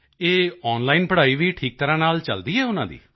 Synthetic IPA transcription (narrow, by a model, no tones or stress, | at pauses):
eːɔːnlaːiːnpəɽaːiːʋiːʈʰiːk̚t̪əɾãːnaːlt͡ʃəld̪iːɦɛːʊnãːd̪ḭː